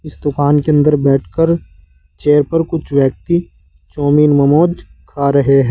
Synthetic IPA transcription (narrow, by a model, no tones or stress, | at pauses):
ɪsd̪ʊkaːnkeɐ̃nd̪əɾbɛːʈʰkəɾ | t͡ʃeːɾpɐɾkʊt͡ʃʰʋjək̚t̪i | t͡ʃɔːmiːnmɐmoːd͡ʒ̪kʰaːɾɐɦeɦɛː